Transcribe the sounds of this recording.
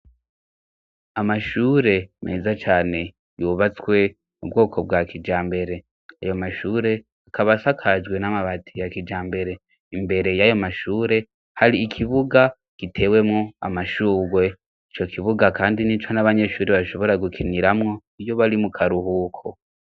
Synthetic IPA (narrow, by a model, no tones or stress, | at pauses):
amaʃuːɾe̞mʔe̞̰ːzat͡ʃaːne̞ | juːβat͡swe̞ | ubɡo̞ːkʰo̞b̚ɡakʰid͡ʒaːmbe̞ɾe̞ | a̰jo̞maʃuːɾe̞ | akʰaβasakʰad͡ʒɡwe̞namaβatʰijakid͡ʒaːmbe̞ɾe̞ | imbe̞ɾe̞jajo̞maʃuːɾe̞ | haɾiːkʰiβuɡa | kitʰe̞we̞mŋo̞a̰maʃuːɡwe̞ | it͡ʃo̞kʰiβuɡakaːndinit͡ʃo̞naβaɲe̞ʃuːɾeβaʃo̞βo̞ɾaɡukʰiniɾamŋo̞ | ijo̞βaɾimukʰaɾuhuːkʰo